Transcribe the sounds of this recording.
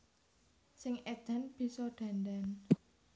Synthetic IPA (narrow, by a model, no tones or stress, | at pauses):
sɪŋed̪̥a̤nb̥i̤sɔɖ̪̥a̤nd̪an